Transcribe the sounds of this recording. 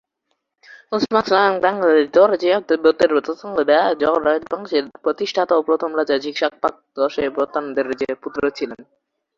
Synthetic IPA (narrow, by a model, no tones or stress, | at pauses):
osmakslaŋbɛŋaled̪ɔɾd͡ʑet̪bot̪ːeɾt̪ot̪ʰɔŋɡod̪ɛad͡ʑɔɾadbaŋʃeɾpɾot̪iʃʈʰat̪apɾot̪ʰomɾad͡ʑad͡ʑikʃak̚pak̚d̪ɔʃepɾot̪ːand̪eɾd͡ʑeput̪ːɾot͡ɕʰilen